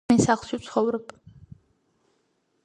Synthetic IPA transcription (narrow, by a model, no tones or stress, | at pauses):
ɛsaχlˠʃit̪sʰχɔvɾɛb̥